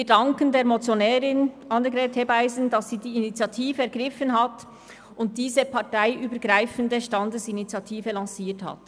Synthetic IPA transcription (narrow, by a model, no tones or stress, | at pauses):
vidɑŋkəndeːɐɾmot͡sjonɛːɾɪnʔɑndəɡɾɛːthebaɪzn̩dɑsːiːdiːinit͡sjɑtʰiːvəɛɐɾɡʁɪfənɦɑt | ʊnt̚d̥iːzəpʰɑʁtaɪʔyːbəɾɡʁaɪfəndəʃtɑndəsinit͡sjɑtʰiːvəlɑsiːthɑ̰t